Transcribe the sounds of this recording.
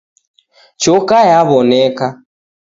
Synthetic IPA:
t͡ʃɔkajaβɔnɛka

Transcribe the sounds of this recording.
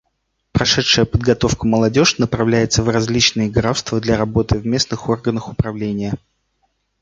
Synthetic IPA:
pɾɐʂɛtʂəjəpəd̪̚ɡɐt̪o̞fkəməlˠɐdʲo̞ʂnəpɾɐvlʲæjɪt̪səvrɐzʲlʲit͡ɕnɨjəɡɾafst̪vəd̪lʲaɾɐbo̞t̪ɨvmʲe̞snɨxo̞rɡənəxʊpɾɐvlʲenʲɪjə

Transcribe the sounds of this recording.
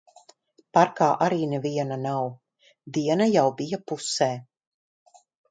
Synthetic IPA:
paɾkaːʔaɾiːnɛviɛnanaw | d̪iɛnajawbijapusɛː

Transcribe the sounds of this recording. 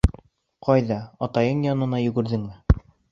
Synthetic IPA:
qʰɑjðɑɒt̪ɑjɤɴjɒnɤ̆nɑjɵ̆ɡɘ̆ɾðɘŋmɘ

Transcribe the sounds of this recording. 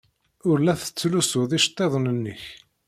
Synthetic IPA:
ʊɾlæθə̥t͡sːlusʊðˤiʃt̪ˤːeðˤənənːəç

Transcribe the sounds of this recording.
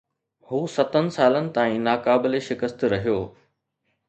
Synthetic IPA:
huːsɐt̪ənɪ̆saːlənɪ̆t̪aːĩnaːkaːbɪleʃɪkəst̪ɾɐɦijoː

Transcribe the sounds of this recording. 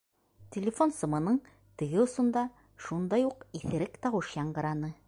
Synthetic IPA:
t̪ʲɪlʲɪfo̞nsŏmɤ̆nɤɴ | t̪ɘ̆ɡɘŏsŏnd̪ɑ | ʃund̪ɑjuqiθɘ̆ɾɘkt̪ɑwɤʃjɑɴɢɤ̆ɾɑnɤ

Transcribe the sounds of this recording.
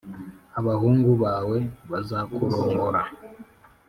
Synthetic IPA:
aβahuːŋɡuβaːwe̞βazakuɾoːŋɡoɾa

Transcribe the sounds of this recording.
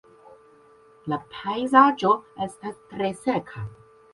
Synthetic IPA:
lapʰajzad͡ʒoestastɾesekʰa

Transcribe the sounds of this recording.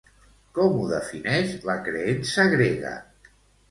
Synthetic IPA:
kɔmuðəfinɛʃləkɾeensəɣɾeɣə̰

